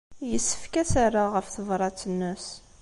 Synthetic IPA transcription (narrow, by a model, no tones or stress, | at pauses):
jəsːə̥fkæsarːaʁəfθəvɾˤɑt͡sːənːəs